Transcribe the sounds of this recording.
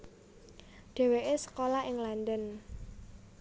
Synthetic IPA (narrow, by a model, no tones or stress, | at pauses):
d̪̥e̤weʔesə̥kolaɪŋland̪ən